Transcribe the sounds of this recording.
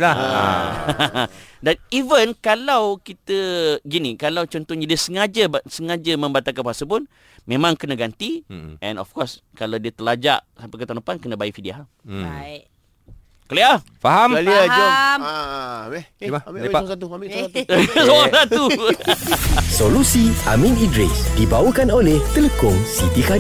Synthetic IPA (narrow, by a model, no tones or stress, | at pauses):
laa̰ | danivənkalawkit̪əɡinĩkalawt͡ʃɔnt̪ɔɲadiəsəŋad͡ʒəbsəŋad͡ʒəmə̃mbat̪akanbuɦasəp̬un | mẽmãŋkənaɡant̪iʔɛ̃nɔ̰fkɔs | kalawdiət̪əlad͡ʒa̰ʔsampɛkət̪anopankənə̃bajiʔfidiaɦ | kəlia | faɦamlm | at̪u | soasat̪u | solusia̰minidɾɪ̰sdibawəkanolɛht̪ələkʊŋsit̪ikad